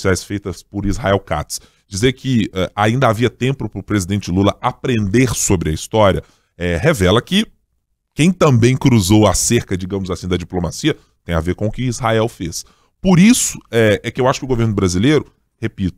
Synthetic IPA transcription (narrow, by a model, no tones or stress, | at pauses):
siajsfejt̪ɐspʊɾizɦa̰ɛwka̰t̪s | d͡ʒizeɾkɪɛʔaĩnd̪ɐaviɐt̪ẽmpʊpɾʊpɾezid̪ẽnt͡ʃɪɪlulɐapɾẽnd̪eɾsobɾɪɐist̪ɔɾʲiɐ | ɛɦevɛlɐkɪ | kẽj̃t̪ɐ̃mbẽj̃kɾuzowaseɾkɐd͡ʒiɡɐ̃mʊzasĩd̪ɐd͡ʒiplomasiɐ | t̪ẽj̃aveɾkõʊkɪːzɦaɛwfes | poɾisʊ̥ɛɛkɪewaʃʊ̥kɪʊɡoveɾnʊbɾazilejɾʊ | hepit̪ʊ̥